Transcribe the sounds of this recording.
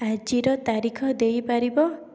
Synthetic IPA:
ad͡ʒiɾɔt̪aɾikʰɔd̪ejpaɾibɔ

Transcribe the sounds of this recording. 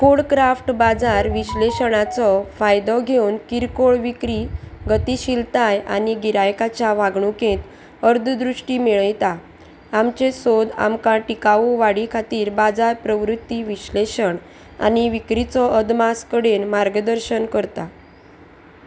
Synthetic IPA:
koɽkɾafʈbad͡zaɾʋiɕleɕɳ̃at͡sɔfajd̪ɔɡʱewnkiɾkoɭʋikɾiɡət̪iɕilt̪aja̰niɡiɾajkat͡ɕjaʋaɡɳũkẽt̪ | əɾd̪ʱd̪ɾuʂʈimeɭəjt̪a | amt͡ɕesod̪a̰mkaʈikaʋuʋaɽikʰat̪iːɾbad͡zaɾpɾəʋɾut̪ːiʋiɕleɕəɳ | a̰niʋikɾit͡sɔʔəd̪maskəɽenmaɾɡd̪əɾɕənkəɾt̪a

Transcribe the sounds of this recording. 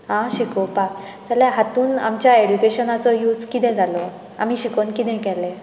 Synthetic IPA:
ɦãɕikopak | t͡salãɦat̪uːnamt͡ɕjaeɽukeɕənasɔjuːd͡zkit̪ẽd͡zʱalɔ | a̰miɕikonkit̪ẽkɛle

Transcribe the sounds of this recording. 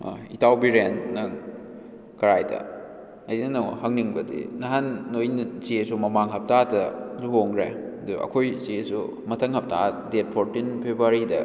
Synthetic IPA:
itʰawbiɾennɐŋ | kɐɾajdɐ̰ | ɐjnɐnɐhɐŋniŋbɐdḭnɐɦanːojnsiesumɐmaŋɦɐp̚tatɐduɦoŋɾeɐduɐ̰kʰojsisu | mɐtʰɐŋhɐp̚tadet̚pʰoɾtinpʰebuaɾidɐ̰

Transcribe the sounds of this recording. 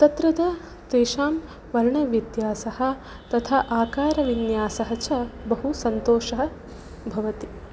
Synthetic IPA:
t̪ɐt̪ɾɐd̪ɐ | t̪eːʃaːm | ʋɐɾɳɐʋjɐt̪jaːsɐhɐ̆ | t̪ɐt̪ʰaʔaːkaːɾɐʋinjaːsɐɦɐt͡ʃɐbɐɦusɐnt̪oːʃɐɦɐ̆ | bʱɐʋɐt̪i

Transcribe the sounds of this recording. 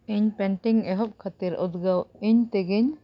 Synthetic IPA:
iɲpɛɳʈiŋɛɦɔp̚kʰat̪iɾṵd̪ɡawiɲt̪ɛɡiɲ

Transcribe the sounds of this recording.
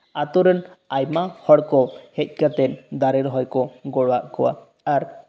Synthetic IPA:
at̪ɔɾənajmahɔɽkɔhɛc̚ˀkat̪ɛnd̪aɾɛɾɦɔjkɔɡɔɽwaʔkɔwa̰ | aɾ

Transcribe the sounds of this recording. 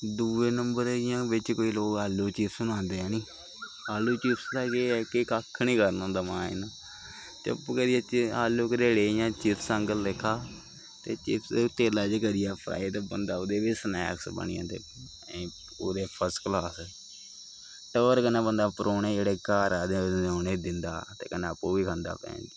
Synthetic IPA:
d̪uːʋeːnəmbəɾɪjãːʋɪt͡ʃkoːiːloːkaːlːuːt͡ʃiːpsʊnãːnd̪eːɛːnĩː | aːlːuːt͡ʃiːpst̪aːkeːɛːkɪkakʰːnĩːkəɾnõːnd̪aːmãːɪ̰naː | t͡ʃ̪ə̰pɡəɾɪjaːt͡ʃaːlːoːkɾeːɽeːjãːt͡ʃɪt̪ʰsəŋɡəlːɪkʰːaː | t̪eːt͡ʃɪpst̪eːlaːd͡ʒɡəɾɪjaːpʰɾa̰ːɪt̪bə̰nd̪aːʊd̪eːʋiːsnɛ̰ːksbə̰ɳɪ̰ã̰ːd̪ḛ̃ː | oːd̪eːpʰəɾsʈklaːs | ʈoːɾkənãːbənd̪aːpəɾoːneːd͡ʒeːɽeːkaːɾaːd̪enoːneːd̪ɪnd̪a̰ːt̪ḛːkəneəpːoːʋiːkʰãnd̪a̰ːpɛ̰̃ːnd̪i

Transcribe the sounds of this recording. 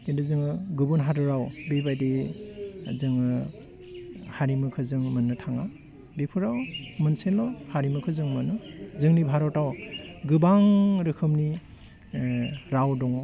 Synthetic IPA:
kendɯzɯŋɯɡɯbunɦadɯɾawbibajdi | zɯŋɯ | haɾimɯkʰɯzɯŋmɯnːɯtʰaŋa | bipʰuɾawmɯnsenlɔhaɾimɯkʰɯzɯŋmɯnɯzɯŋnibʱaɾɔwtawɡɯbaŋɾɯkʰɯmni | ɾawdɔŋɔ

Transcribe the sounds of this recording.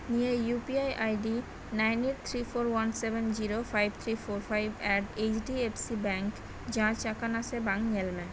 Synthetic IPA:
nijejupiajʔajɖi | najneʈ̚t̪ʰɾifoɾwansebend͡ʑiɾofajb̚t̪ʰɾifoɾfajbɛɖet͡ɕɖiepsibɛŋk | d͡ʑãt͡ɕakanasebaŋɲelme

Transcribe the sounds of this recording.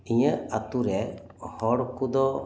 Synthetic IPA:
iɲəat̪uɾɛhɔɽkud̪ɔ

